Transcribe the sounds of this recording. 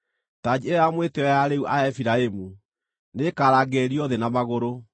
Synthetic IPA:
tad͡ʑieamweteɔjaɾeuʔaɛfiɾaemu | nekaɾaɡeːɾiɔðɛnamaɣoɾo

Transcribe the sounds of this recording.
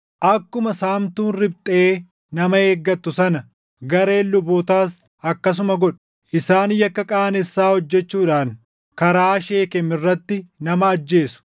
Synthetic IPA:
ʔɐkːʊmɐsaːmt̪uːnrɪbt̪ʼeː | nɐmɐe̞ːɡːɐt̪ːʊsɐnɐ | ɡɐɾe̞ːlːʊboːt̪aːs | ɐkːɐs̬ʊmɐɡɔᶑɐ̥ | ʔɪsaːnjɐkːɐkʼaːɐnɛsːaːhɔd͡ʒːɛt͡ʃːuːᶑaːn | kɐɾaːʃe̞ːkɛmɪrːɐt̪ːɪnɐmɐːd͡ʒːe̞ːsʊ̥

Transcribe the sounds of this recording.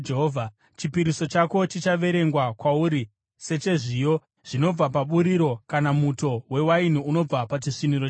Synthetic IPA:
eɦovʱa | t͡ʃipiɾiso̞t͡ʃako̞t͡ʃit͡ʃaʋe̞ɾe̞ŋɡwakwauɾi | se̞t͡ʃe̞ʐijo̞ | ʐ̥ino̞b͡vapaɓuɾiɾo̞kanamuto̞we̞wainiuno̞b͡vapat͡ʃiʂiniɾo

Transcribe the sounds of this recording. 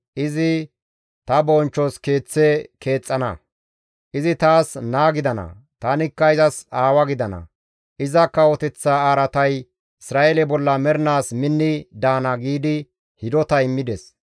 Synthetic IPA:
ʔɪzɪ | t̪ɐbɔnt͡ʃːɔske̞ːt͡sːekʰe̞ːt͡sʼːɐnɐ̰ | ʔɪzɪt̪aːsnaːɡɪd̪ɐnɐ̰ | t̪anɪkːɐɪzɐsaːwɐɡɪd̪ɐnɐ̰ | ʔɪzɐkːɐwɔt̪ɛt͡sːaaːɾɐt̪ɐj | ɪsɾaːʔelɛbɔlːɐmɛɾnaːsmɪnːɪd̪aːnɐɡiːd̪ɪ | hɪd̪ɔt̪ɐɪmːɪd̪ɛs

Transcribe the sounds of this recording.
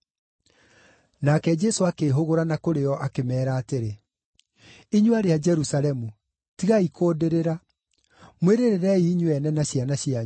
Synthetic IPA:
nakɛd͡ʒɛsoakeːɦoɣoɾanakoɾeɔʔakemɛːɾaːteɾe | iɲuaɾead͡ʒɛɾusalɛmu | tiɣaikʰoːdeɾeɾa | mweɾeɾeɾɛiɲuɛnɛnaɕjanaɕja

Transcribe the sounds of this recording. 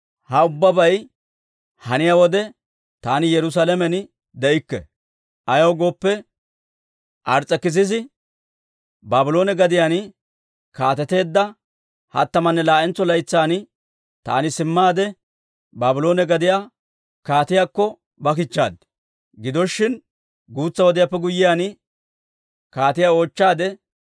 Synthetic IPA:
hɐʊbːɐbɐj | hɐnɪjawɔd̪ɛ | t̪aːnɪjɛɾʊs̬aːlɛmɛn | d̪ɛʔɪkːɛ̰ | ʔɐjɐwɡo̞ːpːɛ | ʔɐɾt͡sʼːɛkːɪs̬ɪs̬ɪ | baːbɪlo̞ːnɛɡɐd̪ɪjaːn | kaːt̪ɛt̪e̞ːd̪ːɐ | hɐ̰t̪ːɐmɐnːɛlaːʔɛnt͡sːɔlɐjt͡sːaːnɪ | t̪a̰ːnɪsɪmːaːd̪ɛ | baːbɪlo̞ːnɛɡɐd̪ɪjaː | kaːt̪ɪjaːkːɔ | bɐk̬ɪt͡ʃːa̰ːd̪ | ɡɪd̪ɔʃːɪn | ɡuːt͡sːɐwɔd̪ɪjapːɛɡʊjːɪjaːn | kaːt̪ɪjaːo̞ːt͡ʃːaːd̪ɛ

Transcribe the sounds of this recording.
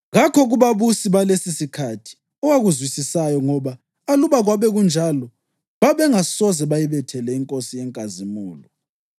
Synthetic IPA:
ɣakʰɔɣuβaβusiβalesisikʰatʰi̥ | ɔwaɣuzwisisajɔŋɔβaː | luβaɣwaβɛɣund͡ʒʱalɔ | βaβɛŋasɔzɛβajiβɛtʰɛlɛiŋkʼosijɛŋkʼazimuːlɔ

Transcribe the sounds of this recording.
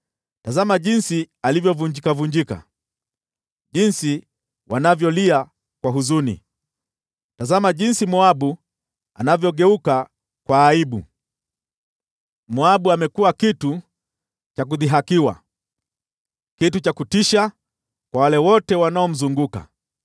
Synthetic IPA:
tazamaʄinsi | alivjɔvuɲd͡ʒikavuɲd͡ʒika̰ | ʄinsi | wanavjɔlia | kwaɦuzunḭ | tazamaʄinsimɔaɓu | a̰navjɔɠɛuka | kwaːiɓṵ | mɔaɓuamɛkuakitu | t͡ʃak̬uðiɦakiwa̰ | kitut͡ʃakutiʃa | kwawalɛwɔtɛwanaɔm̩zuŋɡuka̰

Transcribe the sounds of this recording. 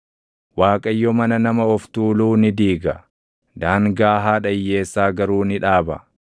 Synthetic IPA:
waːkʼɐjːɔmɐnɐnɐmɐɔft̪uːluːnɪd̪iːɡɐ | d̪aːŋɡaːɦaːᶑɐjːe̞ːsːaːɡɐɾuːnɪᶑaːbɐ

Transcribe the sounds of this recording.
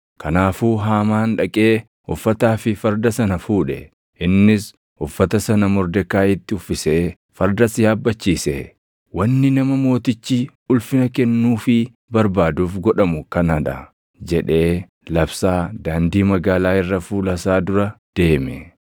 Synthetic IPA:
kɐnaːfuːɦaːmaːnᶑɐkʼe̞ː | ʊfːɐt̪aːfɪfɐɾd̪ɐsɐnɐfuːᶑɛ | ʔɪnːɪs | ʊfːɐt̪ɐsɐnɐmɔɾd̪ɛkːaːɪt̪ːɪʊfːɪseː | fɐɾd̪ɐsɪjaːbːɐt͡ʃːiːsḛ | wɐnːɪnɐmɐmo̞ːt̪ɪt͡ʃːiː | ʊlfɪnɐkɛnːuːfɪ | bɐɾbaːd̪uːfɡɔᶑɐmʊkɐnɐᶑ̪ɐ̰ | d͡ʒɛᶑe̞ː | lɐbsaːd̪aːnd̪iːmɐɡaːlaːɪrːɐfuːlɐsaːd̪ʊɾɐd̪̥e̞ːmɛ

